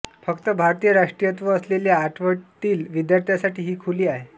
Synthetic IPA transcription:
fəkt̪əbʱaɾt̪ijəɾaʂʈɾijət̪ʋəːsleljaːʈʰʋəʈ̪iːlʋid̪jaɾt̪ʰjasaʈiːɦiːkʰuliːaɦe

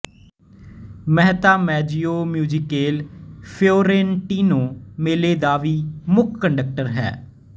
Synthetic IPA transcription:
mɛɦt̪aːmɛːd͡ʒioːmjuːd͡ʒɪkeːlpʰoːɾẽːnʈiːnoːmeːleːd̪aːʋiːmʊkʰːəɳɖək̚ʈəɾɦɛ̰ː

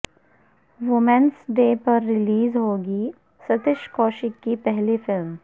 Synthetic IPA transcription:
ʋʊmɛ̃nsɖeːpɐɾːɪliːzɦoːɡi | sɐt̪ɪʃkɔːʃɪkːipɛɦlifɪlm

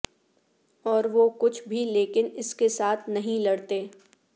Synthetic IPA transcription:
ɔːɾʋokʊt͡ʃʰbʱileːkɪnɪskesaːt̪ʰnɐɦĩlɐɽt̪eː

